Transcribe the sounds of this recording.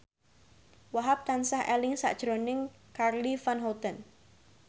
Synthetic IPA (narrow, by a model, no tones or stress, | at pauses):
waɦap̚t̪ansahʔɛlɪŋsa̰ʔd̥ʒ̥ɾonɪŋ | karlifanɦɔt̪ən